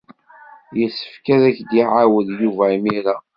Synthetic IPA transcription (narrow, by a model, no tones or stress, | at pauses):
jəsːə̥fkæðæçd̪iʕawəðjuvæimiɾa